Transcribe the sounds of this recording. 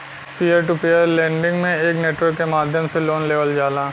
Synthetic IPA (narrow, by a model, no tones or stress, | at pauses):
pijəɾʈupijəɾlɛ̃ːɳɖɪ̃ŋɡmẽeːkneːʈwəɾkːemaːd̪ʱjəmseloːnleːʋəld͡ʒaːlãː